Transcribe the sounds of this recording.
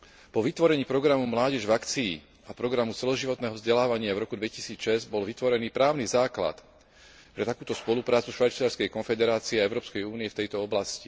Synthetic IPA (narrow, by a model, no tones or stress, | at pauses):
pɔʋit̪ʋɔɾɛɲiːpɾɔɡɾamumlaːɟɛʒvakt͡sḭː | apɾɔɡɾamut͡sɛlɔʒiʋɔt̪nɛːɦɔvzɟɛlaːʋaɲɪavɾɔkud̪ʋɛcisiːt͡sʃɛzɟbɔlʋit̪ʋɔɾɛniːpɾaːʊnizaːkla̰t̪ | pɾɛt̪akuːt̪ɔspɔlupɾaːt͡suʃʋajt͡siaɾskɛjkɔnfɛd̪ɛɾaːt͡siɛaɛʊɾɔːpskɛjuːniɛft̪ɛjt̪ɔɔblasci